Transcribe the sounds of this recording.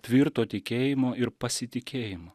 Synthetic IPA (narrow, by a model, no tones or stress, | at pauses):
t̪ʲʋʲiɾt̪oːt̪ʲɪkʲeːjɪmoːɪɾpɐsʲɪt̪ʲɪkʲeːjɪmoː